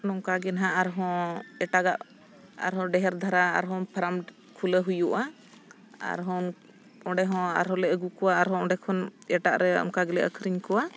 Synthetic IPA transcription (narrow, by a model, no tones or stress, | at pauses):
nɔŋkaɡɛnɦaʔaɾɦɔ̃ɛʈaɡaʔ | a̰ɾɦɔ̃ɖɛɦɛɾd̪ʱaɾa̰ːɾɦɔ̃pʰəɾam | kʰuləɦujuʔa | a̰ɾɦɔ | ɔ̃ɖɛɦɔ̃a̰ɾɦɔ̃lɛəɡukɔwaːɾɦɔ̃ɔ̃ɖɛkʰɔnɛʈaʔɾɛɔ̰ŋkaɡɛlɛʔə̰kʰɾiɲkɔwa